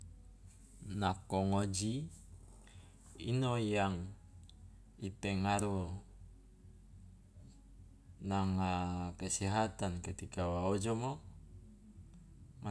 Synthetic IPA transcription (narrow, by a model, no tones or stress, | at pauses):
nakɔŋod͡ʒi | inojaŋ | ipɛŋaɾu | naŋakəsiɦat̪ankət̪ikawaod͡ʒomo | ma